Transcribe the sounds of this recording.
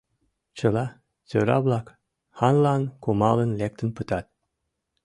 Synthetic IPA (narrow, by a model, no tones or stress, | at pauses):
t͡ʃɤ̆lˠɑ | t͡søɾɑ̰blˠɑk | hɑnlˠɑnkʰumɑlˠə̆nlʲek̚t̪ə̆npɨt̪ɑt̪̚